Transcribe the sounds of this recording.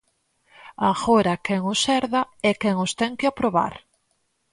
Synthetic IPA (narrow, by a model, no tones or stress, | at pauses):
aɣoɾɐkɛŋʊsɛɾðɐɛkɛŋʊst̪ɛŋkɪapɾoβa̰ɾ